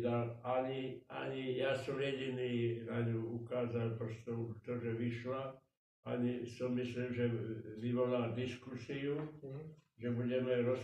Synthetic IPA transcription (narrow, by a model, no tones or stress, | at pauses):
d̪alaɲia̰ɲijaːsɔmjɛɟiniːnaɲuukaːzalpɾɔst̪ot̪ɔʒɛʋiʃla | aɲisɔmːislimʒɛʋiʋɔlald̪iskusiu | ʒɛbuɟɛmɛɾɔs